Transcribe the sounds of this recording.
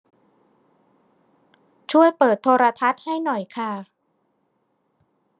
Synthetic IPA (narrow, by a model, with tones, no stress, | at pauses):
t͡ɕʰu˥˩əjpɤː˨˩t̪ʰːoː˧ɾa˧t̪ʰa˦˥t̪̚ha˥˩jnɔ˨˩jkʰa˥˩